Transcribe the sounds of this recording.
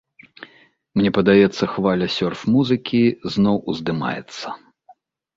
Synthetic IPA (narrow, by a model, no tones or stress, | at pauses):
mnʲɛpɐd̪ajɛt̪sːɐxvalʲɐsʲɔrfmuzɨkʲiznɔwuzd̪ɨma̰jɛ̰t̪sːɐ